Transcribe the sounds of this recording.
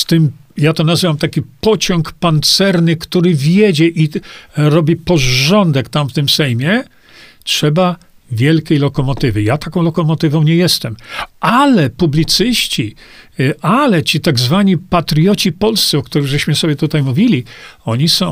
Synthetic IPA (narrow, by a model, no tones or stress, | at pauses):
st̪ɘmjat̪ɔnazɘvamt̪akʲipɔt͡ɕɔŋkpant̪sɛɾnɘkt̪uɾɘvʲjɛd͡ʑɛʔiɾɔbʲipɔʐɔnd̪ɛkt̪amft̪ɘmsɛjmʲjɛ | tʂɛba | vʲjɛlkʲejlɔkɔmɔt̪ɘvɘjat̪akɔ̃w̃lɔkɔmɔt̪ɘvɔ̃w̃ɲɛjɛst̪ɛmalɛpublʲit̪sɘɕt͡ɕi | alɛt͡ɕit̪aɡzvaɲipat̪ɾjɔt͡ɕipɔlst̪sɛɔkt̪uɾɘɣʐɛɕmɘsɔbʲjɛt̪ut̪ajmuvʲilʲiɔɲisɔ̃